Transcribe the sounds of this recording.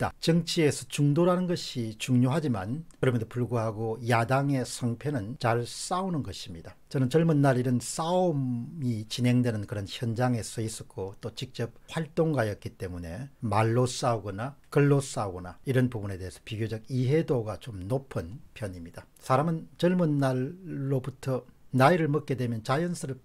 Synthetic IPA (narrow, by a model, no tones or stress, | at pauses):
da̰t͡ɕʌŋt͡ɕʰie̞sʰʌt͡ɕuŋdoɾanɯnɡʌɕʰit͡ɕuŋɲoɦad͡ʑimankɯɾʌmjensopuɭɡuɦaɡojadaŋe̞sʰʌŋpʰjʌnɯnt͡ɕaɭs͈aunɯnɡʌɕʰimɲid̥at͡ɕʌnɯnt͡ɕʌɭmɯnːaɾiɾɯns͈aommit͡ɕinɦe̞ŋdwe̞nɯnkɯɾʌnçjʌnd͡ʑaŋe̞sʰʌis͈ʌk͈ot͈ot͡ɕik̚t͡ɕ͈ʌp̚ɸwaɭt͈oŋɡajʌt̚k͈it͈e̞mune̞maɭːos͈auɡʌnakɯɭːos͈auɡʌnaiɾʌnpubune̞de̞ɦesʰʌ̥piɡjod͡ʑʌɡiɦe̞doɡat͡ɕomnopʰɯnpʰjʌnimɲid̥a | sʰaɾamɯnt͡ɕʌɭmunːaɭːobutʰʌnaiɾɯɭmʌk̚k͈e̞dwe̞mjʌnt͡ɕajʌnsʰɯɾɯɭ